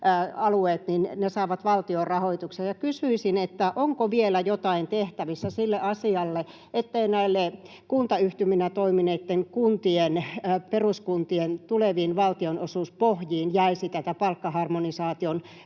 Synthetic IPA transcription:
ɑlueːt̪ninnesɑˑiʋɑt̪ʋɑlt̪iorɑhoit̪uksejɑkysyisinet̪ːæʔoŋkoʋielæjot̪ɑint̪eht̪æʋisːæsilːeʔɑsiɑlːe | ʔet̪ːeinæilːe | kunt̪ɑyht̪yminæt̪oimineːt̪ːeŋkunt̪ienperuskunt̪ient̪uleʋiːnʋɑlt̪ionosuːspohjiːnjæisit̪æt̪æpɑlkːɑhɑrmonisɑːt̪ion

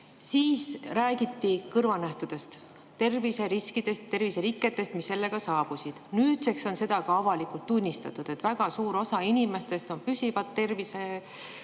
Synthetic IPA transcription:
siːsræːɡit̪ːikɤrvɑnæht̪ud̪̥e̞st̪ | t̪ːe̞rvise̞ɾiskid̪̥e̞st̪t̪e̞rviseɾikːe̞t̪ːˑe̞st̪misːe̞lːe̞ɡ̥ɑsɑːb̥usid̪̥nyːt̪se̞kso̞nse̞d̪ɑkɑɑvɑlikult̪ːunʲːist̪ɑ̰t̪ːˑud̪̥e̞t̪væɡ̥ɑsuːɾo̞sɑinʲime̞st̪e̞st̪o̞npysʲivɑt̪ːe̞rvise̞

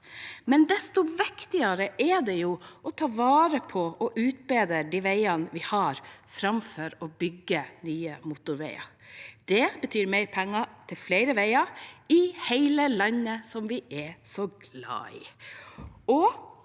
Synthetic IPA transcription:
mɛnd̪ɛst̪ʊʋɪkt̪ɪɑɾəʔɛd̪ɛjuːʔɔt̪ʰɑːʋɑːɾəpʰɔɔʔʉːt̪̚beːd̪əɖiːʋæɪɑnʋɪhɑɾfɾɑmfɔɾɔbʏɡːənyːəmuːt̪ʊɾʋɛɪɑ̰d̪̥ɛbət̪ʰyːɾmæɪɾpʰɛŋːɑt̪ʰɪlflæɪɾəʋæɪɑɪhæɪləlɑɲːəsɔmʋɪʔɛsɔɡlɑ̰ːɪ̰ | ɔ

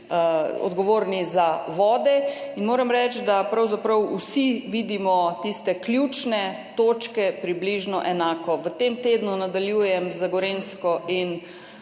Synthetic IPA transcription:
ɔ̰d̪ɡɔʋoːɾnizaʋɔːd̪ɛinmoːɾɛmɾɛt͡ʃd̪apɾawzapɾəwusiʋid̪imɔt̪ist̪ɛklʲjut͡ʃnɛt̪oːt͡ʃkɛpɾibliʒnɔʔɛnaːkɔʋət̪emt̪eːd̪nunad̪aljuːjɛmzaɡɔɾenskɔin

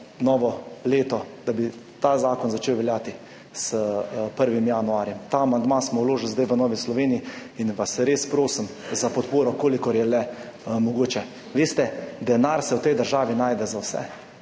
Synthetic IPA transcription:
nɔːʋɔleːt̪ɔd̪abi | t̪azaːkɔnzat͡ʃeːwʋɛljaːt̪i | səpəɾʋimjanuaːɾjɛmt̪aamand̪masmɔwloːʒɪlzd̪ajʋənɔːʋislɔʋeːniiinʋasɾeːspɾoːsim | zapɔt̪poːɾɔkoːlikɔɾjɛlɛmɔɡoːt͡ʃɛ | ʋeːst̪ɛd̪ɛnaɾsɛwt̪ɛjd̪əɾʒaːʋinaːjd̪ɛzawsɛ̰

